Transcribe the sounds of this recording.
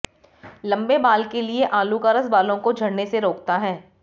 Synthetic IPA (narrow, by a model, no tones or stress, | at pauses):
lɐ̃mbebaːlkelieʔaːlukaːɾəsbaːlõkod͡ʒʱɐɽneseɾoːkt̪aɦɛː